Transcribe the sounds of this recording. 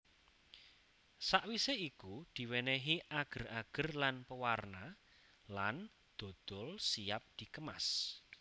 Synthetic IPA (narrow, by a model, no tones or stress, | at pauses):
saʔwiseikud̪̥i̤wenɛɦiʔaɡ̥ə̤raɡ̥ə̤rlanpəwarna | lan | d̪̥o̤d̪̥ɔlsiap̚d̪̥i̤kəma̰s